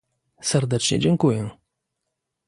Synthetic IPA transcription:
sɛɾd̪ɛt͡ʂɲɛ̰d͡ʑɛŋkujɛ

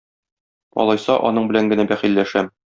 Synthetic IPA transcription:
ɒ̰lˠɑjsɑʔɒ̰nɤɴbɘ̆læŋɡɘ̆næbæχilːæʃæm

